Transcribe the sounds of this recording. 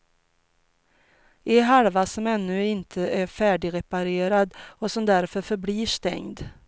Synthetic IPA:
ʔɪɦaɾvasɔmɛnːɵ̟ɪnt̪ʰəʔæɾfæːɖɪɾɛpaɾeːɾad̪ɔsɔmd̪æɾfœɾfœɾbliːʂt̪ɛ̰ŋd̪

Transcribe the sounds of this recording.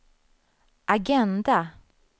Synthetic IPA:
ʔaɡɛnd̪a

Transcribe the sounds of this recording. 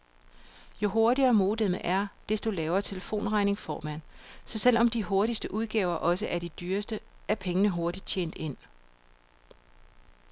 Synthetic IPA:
jo̝ɦo̝ɐɾiɐmo̝ːd̥eməʔæɐd̥e̝sd̥ulɛːʊɐt͡sʰe̝ləfo̝̰ːnʁɑ̈ɪne̝ŋfɒːmæn̰sɒ̽sel̰ʔɒ̽md̥iho̝ɐɾisd̥əʔuð̞ˠɡ̥ɛ̰ːʊɐʔɒ̽səʔæɐɾ̥id̥yːɐsd̥əæɐpʰeŋənəɦo̝ɐd̥id̥̚t͡ɕʰḛːn̰d̥e̝n̰

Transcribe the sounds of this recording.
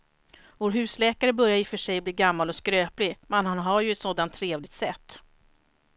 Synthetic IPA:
voːɾɦʉ̟ːslɛːkaɾəbœɾjajɪfœʂɛjbliːɡamːalɔskɾøːplɪmɛnhanɦaɾjɵɛt̪soːd̪ant̪ʰːɾeːvlɪɡ̚t̪sɛt̪ː

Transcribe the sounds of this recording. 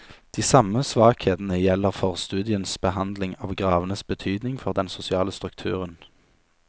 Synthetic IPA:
d̪̥iːsɑməsʋɑːkheːt̪n̩əjɛlːəʁfɔʁst̪ʉːd̪ɪənsbəɦɑnd̪lɪŋɑːʋɡʁɑːʋənəsbət̪ʰyːd̪nɪŋfɔʁd̪ɛnsʊsɪɑːləst̪ʁʉkt̪ʰʉːʁən

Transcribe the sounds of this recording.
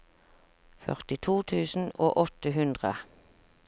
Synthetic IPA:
fœ̰ʁt̪ɪt̪ʰuːt̪ʰʉːsn̩o̰ːʔɔt̪əhʉnd̪ʁə

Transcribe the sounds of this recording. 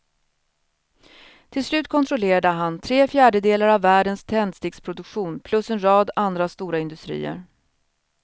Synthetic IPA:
t̪ʰɪlslʉ̟ːt̪̚kʰɔnt̪ʰɾʊleːɾad̪əɦant̪ʰɾeːfjæːɖəd̪eːlaɾavːæːɖənst̪ʰɛnd̪st̪ɪːkspʰɾʊd̪ɵkɧuːnpʰlɵsɛnɾɑːd̪and̪ɾast̪uːɾaɪnd̪ɵst̪ɾḭːə̰ɾ

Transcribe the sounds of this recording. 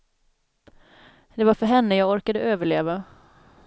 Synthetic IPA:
d̪̥ɛvaɾfœɾɦɛnːəjɑːɡɔɾkad̪əʔøːvəɭeːva

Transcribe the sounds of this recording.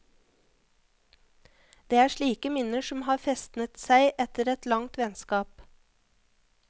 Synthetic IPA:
d̪̥eːæːʃɭiːkəmɪnəʃɔmhɑːfɛst̪nət̪sæɪʔɛt̪əɾɛt̪lɑŋt̪ʋɛnskɑːp

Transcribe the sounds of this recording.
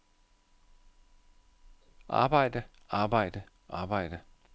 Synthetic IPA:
ʔɑ̰ːbɑɪ̰də | ʔɑːbɑɪ̰d̥ə | ʔa̰ːbɑɪ̰də

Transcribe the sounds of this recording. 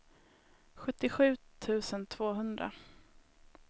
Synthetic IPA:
ɧɵt̪ːɪɧʉ̟ːt̪ʰʉ̟ːsənt̪ʰv̥oːɦɵnd̪ɾa̰

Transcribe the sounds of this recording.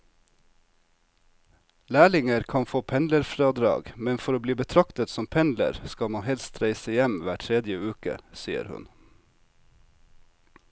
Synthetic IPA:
læːɭɪŋəɾkʰɑnfoːpʰɛnləɾfɾɑːd̪ɾɑ̰ːɡmɛnfɔɾoːbliːbət̪ʰɾɑkt̪ət̪sɔmpʰɛnlə̰ɾskɑmɑnhɛlst̪ɾæɪsəjɛmʋæːʈʰɾɛd̪jəʉːkə̰siːə̰ɾhʉ̰n

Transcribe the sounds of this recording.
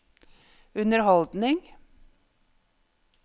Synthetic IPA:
ʉnəɾhɔld̪nɪŋ

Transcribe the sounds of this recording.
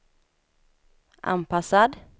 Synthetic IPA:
ʔa̰npʰasad̪

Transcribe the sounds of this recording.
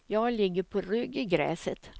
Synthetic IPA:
jɑːɡlɪɡːəɾpʰɔɾʏɡɪɡɾɛ̰ːsət̪

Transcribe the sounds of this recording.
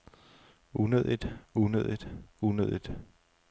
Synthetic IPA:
ʔunø̰ð̰ˠid̥unø̰ð̰ˠid̥unø̰ð̞̰ˠid̥

